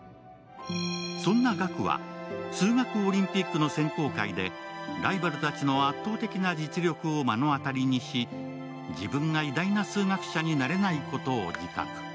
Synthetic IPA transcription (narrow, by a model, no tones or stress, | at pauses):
sõ̞nːaɡakɯ̟βa̰sɨːŋakɯ̟o̞ɾʲĩmpʲikːɯ̟no̞sẽ̞ŋko̞ːkaid̪e̞̰ɾaibaɾɯ̟t̪at͡ɕino̞at̪ːo̞ːt̪e̞kʲinad͡ʑit͡sɨɾʲo̞kɯ̟o̞manoat̪aɾʲiɲ̟iɕi | d͡ʑibɯ̟̃ŋɡaid̪ainasɨːŋakɯ̟̥ɕaɲ̟inaɾe̞naiko̞t̪o̞ːd͡ʑik̪a̰kɯ̥